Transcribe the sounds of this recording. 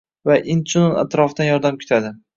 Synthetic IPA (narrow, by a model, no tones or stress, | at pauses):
vaʔɪnt͡ʃʰunona̰t̪ɾɒfd̪anjɒɾd̪amkʲʰɪ̥t̪ʰad̪ɪ